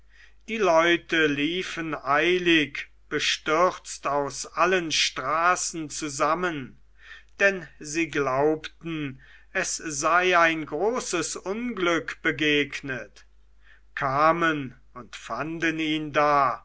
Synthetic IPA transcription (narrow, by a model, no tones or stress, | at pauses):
d̥iːlɔʏtəliːfənaɪlɪk | b̥əʃtʏʁt͡staʊsʔalənʃtʁ̥aːsn̩t͡suzamən | d̥ɛnziːɡlaʊptn̩ | ʔɛsz̥aɪaɪnɡʁoːsəsʊnɡlʏkb̥əɡeːknət | kʰaːmən | ʊntfandəniːndaː